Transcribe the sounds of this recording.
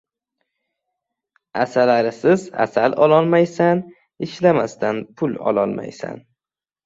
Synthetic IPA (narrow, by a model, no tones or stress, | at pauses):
asalaɾɪsɪza̰salɒlˠɒlˠmajsan | ɪʃlamast̪ʰanpʰʊlɒ̰lˠɒlˠma̰jsa̰n